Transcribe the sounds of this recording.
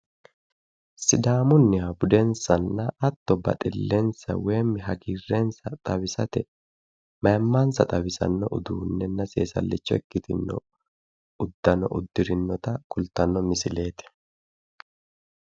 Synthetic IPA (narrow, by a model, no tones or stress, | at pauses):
sɪd̪aːmʊnːɪhɐbʊd̪ɛnsɐnːɐːt̪ːɔbɐ̰t̪ʼɪlːensɐ̰we̞ːmːɪɦɐɡiːrːeːnsɐt̪ʼɐbɪsɐt̪ɛ | mɐjmːaːnsɐt̪ʼɐbɪsɐ̰nːɔʔʊd̪uːnːɛnːɐse̞̰ːsɐ̰lːɪt͡ʃːɔɛkːɪt̪ɪnːɔ̰ | ʊd̪ːɐnɔ̰ʔʊd̪ːɪɾɪnːɔt̪ɐkʊlt̪ɐnːɔmɪsɪle̞ːt̪ɛ̥